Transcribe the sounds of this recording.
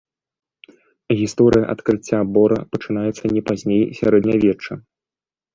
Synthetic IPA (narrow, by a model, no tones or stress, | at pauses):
ɣʲist̪ɔɾɨjɐ̰ʔɐt̪kɾɨt͡sʲːabɔɾɐpɐt͡ʂɨnajɛt̪sːɐnʲɛpazʲnʲejsʲa̰ɾɛd̪nʲɐvʲɛt͡ʂːɐ